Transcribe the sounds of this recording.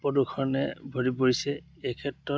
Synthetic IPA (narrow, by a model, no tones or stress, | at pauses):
pɔdukʰɔnɛbʱoɹipoɹisɛː | kʰɛtɹɔ